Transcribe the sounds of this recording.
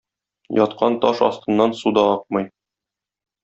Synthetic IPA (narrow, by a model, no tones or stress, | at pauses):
jɒt̪qʰɑnt̪ɒʃɒ̰st̪ɤ̆nːɑnsud̪ɑɒq̚mɤ̆j